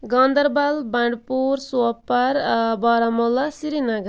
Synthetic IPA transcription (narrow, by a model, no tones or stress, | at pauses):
ɡʌnd̪ʌɾbalbaɳɖpuɾsupːaɾbʌɾamɔlasiɾinaɡʌ